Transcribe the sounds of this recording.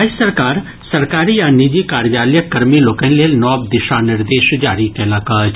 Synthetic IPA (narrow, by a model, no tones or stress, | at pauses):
asɐɾkaːɾ | sɐɾkaːɾijanid͡ʒikaːɾjaːljəkɐɾmiloːkə̃nleːlnɔːb̚d̪ɪʃanɪɾd̪eːʃd͡ʒaːɾikɛːlakaːt͡ʃʰ